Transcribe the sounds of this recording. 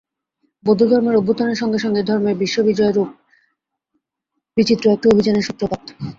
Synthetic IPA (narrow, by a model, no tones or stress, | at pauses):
bod̪ʱːud̪ʱɔɾmeɾobːot̪oneɾʃɔŋɡeʃɔŋɡed̪ʱɔɾmebiʃːobid͡ʑɔeɾup̚ | bit͡ɕit̪ːɾoɛk̚ʈiobʱid͡ʑaneɾʃut̪ːɾopat̪ʰːo̥